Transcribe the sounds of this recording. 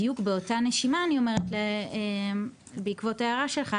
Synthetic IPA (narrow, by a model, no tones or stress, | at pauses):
jukbe̞o̞taneʃimaːnio̞me̞ʁetle | beikvo̞tajaʁaʃe̞lχa